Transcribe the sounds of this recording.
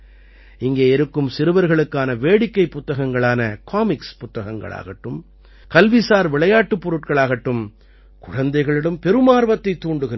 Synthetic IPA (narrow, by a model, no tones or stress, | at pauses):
ɪŋɡeːɪɾɯkːɯmsɪɾɯʋɐɾɣɐɭɯkːaːnɐʋeːɽɪkːɐɪpːʊt̪ːɐɣɐŋɡɐɭaːnɐkʰaːmɪkspʊt̪ːɐɣɐŋɡɐ̰ɭa̰ːɣɐʈːɯm | kɐlʋisaːɾʋɪɭɐjaːʈːɯpːɔɾɯʈ̚kɐɭaːɣɐʈːɯm | kʊɻɐnd̪ɐɪɣɐɭɪɽɐmpɛɾɯmaːɾʋɐt̪ːɐɪt̪ːuːɳɖɯɣɪn